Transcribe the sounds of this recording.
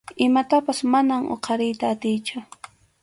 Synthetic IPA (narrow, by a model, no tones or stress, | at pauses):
ɪmat̪apasmanaŋo̰qʰɑɾɪjt̪aːt̪ɪjt͡ʃʊ